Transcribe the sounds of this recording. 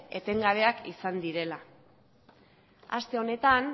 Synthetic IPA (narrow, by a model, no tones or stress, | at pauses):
e̞t̪e̞ŋɡaβe̞akisand̪iɾe̞la | a̰st̪e̞o̞ne̞t̪an